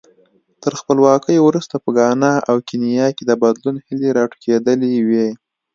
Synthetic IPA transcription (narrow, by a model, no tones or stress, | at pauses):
t̪əɾxpəlwɑkəjowɾust̪apəɡɑnɑʔawkinijɑked̪əbad̪lunhɪleɾɑʈkʰed̪əliwe